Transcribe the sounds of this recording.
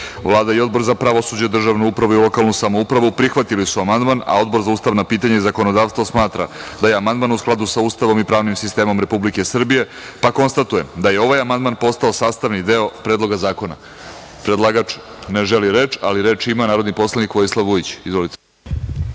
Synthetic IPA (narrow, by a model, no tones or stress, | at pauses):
vlˠaːd̪aio̞d̪̚bo̞ɾzapɾaʋo̞sud͡ʑed̪r̩ʒaʋnuupɾaʋuilo̞kalˠnusamo̞upɾaʋupɾixʋat̪ilisuamand̪mana̰o̞d̪bo̞ɾzauːst̪aʋnapiːt̪aɲaizako̞nod̪aːʋst̪ʋosmaːt̪ɾa̰d̪ajeamand̪maːnusklˠad̪usauːst̪aʋo̞mipɾaːʋnimsist̪e̞ːmo̞mɾe̞publike̞sr̩bije̞ | pako̞nst̪at̪ujed̪aje̞o̞ʋaːjamand̪manpo̞st̪ao̞saːst̪aʋnid̪eo̞pɾeːd̪lo̞ɡazaːko̞na̰ | pɾed̪lˠaɡat͡ʃ | ne̞ʒe̞liɾe̞ːt͡ʃaliɾe̞t͡ʃimanaːɾo̞d̪nipo̞slˠanikʋo̞jislˠaʋːujit͡ɕizʋo̞lit̪e̥